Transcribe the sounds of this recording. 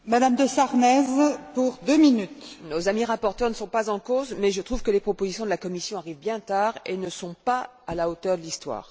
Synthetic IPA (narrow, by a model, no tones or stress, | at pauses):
mad̪amd̪əsaʁnɛzpuʁd̪øminyt̪nozamiʁapɔʁt̪œʁnəsɔ̃pazɑ̃kozmɛʒət̪χuvkəlepχɔpozisjɔ̃d̪əlakɔmisjɔ̃aʁivbjɛ̃t̪aːʁenəsɔ̃pa | alaot̪œʁd̪əlist̪wa̰ːʁ